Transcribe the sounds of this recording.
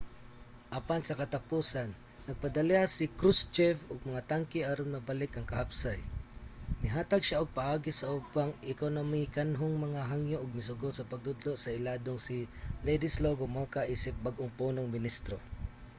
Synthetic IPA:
ʔapansɐkɐt̪apuːsanː | ɐɡ̚pɐd̪ɐlɛasɪkɾust͡ʃɛvʊɡ̚mɐŋat̪aŋkɪʔaɾomnɐbalɪkʔɐŋkɐhapsaj | mɪɦaːt̪aɡʃaʊɡ̚pɐʔaːɡɪsɐʔupaŋʔɪkownɐmikanɦʊŋmɐŋaɦaŋjoʔʊɡ̚mɪs̬ʊɡot̪̚sɐpaɡ̚d̪ʊd̪loʔsɐɪlad̪oŋsɪlejd̪ɪsloɡomokaʔiːsɪp̚baɡʔʊŋpunoŋmɪnist̪ɾo

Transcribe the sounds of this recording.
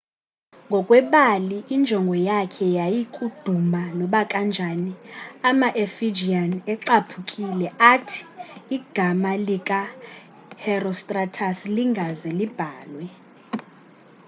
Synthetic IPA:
ŋɡʱɔkʼwɛɓaliːnd͡ʒʱɔŋɡʱɔjakʰɛjajikʼud̥ʱumanɔɓakʼand͡ʒʱaniamaʔefid͡ʒianɛǀapʰukʼilɛʔatʰi̥ːɡ̥ʱamalikʼa | hɛrɔstʼratʰasliŋɡʱazɛlib̥ʱaːlwɛ

